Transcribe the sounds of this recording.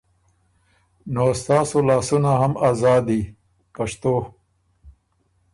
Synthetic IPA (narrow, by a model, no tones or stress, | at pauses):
nost̪ɑːsolɑːsunaɦamɑːzɑːd̪i | pɐʂt̪o